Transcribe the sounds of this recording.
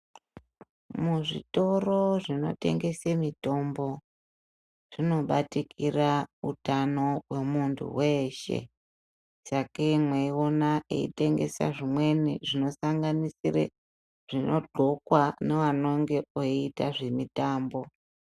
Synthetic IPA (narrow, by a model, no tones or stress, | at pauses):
muʐḭto̞ro̞ʐino̞̰te̞̰ŋɡe̞semito̞mbo̞ | ʐ̥ino̞ɓatikʰirautano̞we̞muntʰṵwe̞ʃe̞̰ | sakemweio̞naʔḛḭte̞ŋɡe̞̰sa̰ʐimwe̞niʐino̞saŋɡanisirḛ | ʐ̥inʔo̞ɡ͡ǃʱo̞kwane̞ʋano̞ŋɡe̞oiitaʐe̞mitaːmbo̞